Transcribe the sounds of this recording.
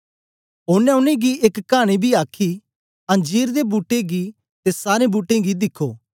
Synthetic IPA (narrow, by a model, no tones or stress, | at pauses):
ʊnɛ̃ʊnẽɡieːkkːaːɽ̃ibʱiaːkʰi | ɐ̃nd͡ʒiːɾd̪ebuːʈːeɡi | t̪esaːɾẽbuːʈːẽɡid̪ɪkʰːoː